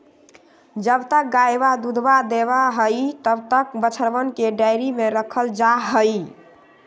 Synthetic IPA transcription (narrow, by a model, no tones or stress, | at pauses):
d͡ʒəbt̪ək̚ɡajbad̪ud̪ʱbad̪eβaɦəjt̪əbt̪əkbət͡ʃʰəɾbənkeɖajɾimeɾəkʰəld͡ʒaɦəj